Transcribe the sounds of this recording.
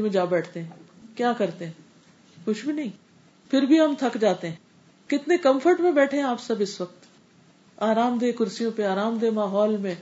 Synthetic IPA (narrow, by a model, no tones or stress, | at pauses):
mẽd͡ʒaːbɛːʈʰt̪eɦɛ̃ː | kjaːkɐɾt̪eɦɛ̃ː | kʊt͡ʃʰbʱinɐɦĩː | pʰɪɾbʱiɦɐmt̪ʰɐkd͡ʒaːt̪eɦɛ̃ː | kɪt̪nekɐ̃mfʰəɾʈmẽbɛːʈʰeɦɛ̃aːpsɐbɪsʋək̚t̪ | aːɾaːmd̪eːkʊɾsijõpeaːɾaːmd̪eːmaːɦɔːlmẽ